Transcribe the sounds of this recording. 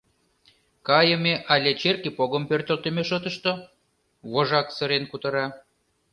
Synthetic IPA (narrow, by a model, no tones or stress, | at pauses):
kɑjə̆meʔɑlʲet͡ɕerkipoɣəmpørt̪ə̆lt̪ə̆meʃot̪əʃt̪o | βoʒɑksə̆ɾenkut̪ɤ̆ɾɑ